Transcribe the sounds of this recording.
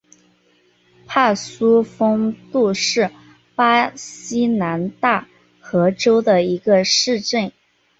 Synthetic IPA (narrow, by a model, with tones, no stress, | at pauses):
pʰa˥˩su˥fɤ˥ŋt̪u˥˧ʂɻ̩˥˩ | pa˥ɕi˥na˧˥nt̪a˥˩ | xɤ˧˥ʈ͡ʂo˥ʊd̪ə˨i˧˥ɡə˧ʂɻ̩˥˧ʈ͡ʂə˥˩n